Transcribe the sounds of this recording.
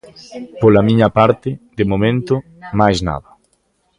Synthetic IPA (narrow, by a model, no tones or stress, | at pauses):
polamĩɲɐpaɾt̪ɪd̪emomẽnt̪ʊ | majzna̰ðɐ